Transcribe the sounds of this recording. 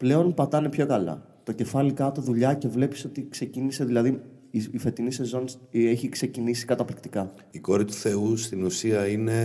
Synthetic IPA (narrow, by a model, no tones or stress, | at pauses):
ple̞o̞npɐt̪ɐne̞pço̞kɐlɐ̰ | t̪o̞ce̞fɐlikɐt̪o̞ðuʎɐce̞vle̞pi̥so̞t̪ikse̞cinise̞ðilɐði | iife̞t̪inise̞zo̞nse̞çikse̞cinisi̥kɐt̪ɐplikt̪ikɐ | iko̞ɾit̪u̥θe̞ust̪inusiɐine̞